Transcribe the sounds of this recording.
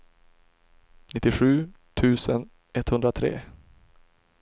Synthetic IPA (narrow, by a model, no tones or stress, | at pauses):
nɪt̪ːɪɧʉ̟ːt̪ʰʉ̟ːsən | ɛt̪hɵnd̪ɾat̪ʰɾḛː